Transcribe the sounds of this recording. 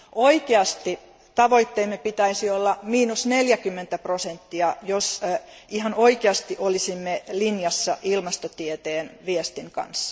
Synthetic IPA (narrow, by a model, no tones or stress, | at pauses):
ʔoikeɑst̪i | t̪ɑʋoit̪ːeimːepit̪æisiolːɑmiːnusneljækymːent̪æprosent̪ːiɑjosihɑnoikeɑst̪iʔolisimːelinjɑsːɑ̰ʔilmɑst̪ot̪iet̪eːnʋiest̪iŋkɑ̰nsːɑ̥